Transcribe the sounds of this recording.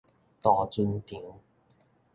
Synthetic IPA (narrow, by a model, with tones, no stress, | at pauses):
t̪ɔː˧˩t͡su˧nt̪i˨˩˥ŋ